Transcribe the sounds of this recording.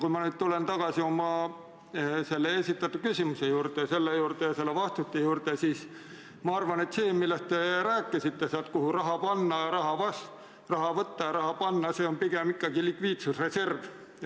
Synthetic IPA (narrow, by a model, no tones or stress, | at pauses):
kujmɑnyːd̪̥t̪ule̞nt̪ɑɡ̥ɑsio̞mɑ | se̞lːeesʲit̪ːˑɑt̪ːˑu̥kysʲimusejuːrt̪ese̞lːejuːrt̪ejɑse̞lːevɑst̪ut̪ːˑejuːrt̪esiːs | mɑɑrvɑne̞t̪se̞ːmilːest̪̚t̪e̞ɾæːkːˑisit̪ːe̞seɑlt̪̚kuhurɑɦɑpɑnːɑjɑɾɑɦɑvɑs | rɑɦɑvɤt̪ːɑjɑɾɑhɑpɑnːɑse̞ːo̞npiɡ̥emikːˑɑɡilikviːt̪susre̞se̞rv